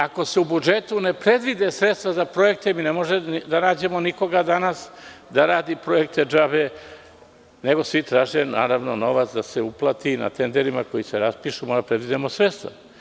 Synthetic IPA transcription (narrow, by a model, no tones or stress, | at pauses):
ako̞seubud͡ʒe̞t̪une̞pɾe̞d̪ʋid̪e̞sɾet̪st̪ʋazapɾo̞je̞k̚t̪eminemo̞ʒed̪anaːd͡ʑe̞mo̞niko̞ɡad̪anasd̪aɾaːd̪ipɾo̞ek̚t̪ed͡ʒabe | neɡo̞sʋit̪ɾaːʒenaːɾaʋno̞no̞ʋat̪sd̪aseuplˠat̪ina̰t̪e̞nd̪eɾimako̞jiseɾaspiʃumadapɾed̪ʋid̪emo̞sɾe̞t̪st̪ʋa̰